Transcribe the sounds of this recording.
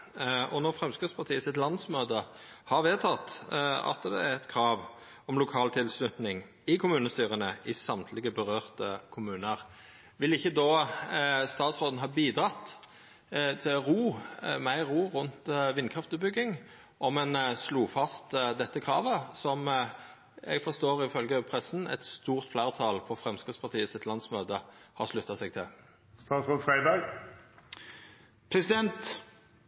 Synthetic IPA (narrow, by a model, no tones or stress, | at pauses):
ʔɔnɔʁfʁɛmskʁɪt̪spɑʁt̪ʰiːəsɪt̪lɑnd̪smøːd̪ə | hɑʁʋeːt̪ʰɑt̪ːɑ̰t̪d̪ɛ̰æɛt̪kʰɾɑːʋ | ɔmlʊkʰɑːlt̪ʰɪlslʉt̪nɪŋ | ɪkʰʊmʉːnəst̪yːʁənəɪsɑmt̪ʰlɪɡəbəʁøːʁt̪əkʰʊmʉːnəʁ | ʋɪlɪçːəd̪oː | st̪ɑːt̪sʁoːd̪n̩ɦɑːbiːd̪ɾɑt̪ː | t̪ʰɪlɾuːmæɪʁuːʁʉnt̪ʋɪnːkʰʁɑft̪əbʏɡːɪŋ | ʔɔmɛnsluːfɑst̪d̪ɛt̪ːəkʰɾɑːʋəsɔm | ɛ̰ɡfɔʁst̪oːʁɪfœlɡəpʰɾɛsn̩ɛ̰t̪st̪uːʁt̪flæːʁt̪ʰɑlpʰɔfɾɛmskɪt̪spʰɑʁt̪ʰiːəsɪt̪ʰlɑnsmøːd̪əhɑ̰ʂlʉt̪ːɑsɛɡt̪ʰɪl | st̪ɑːt̪sʁoːd̪fʁæɪbæɡ | pʰɾɛsɪd̪ɛnt̪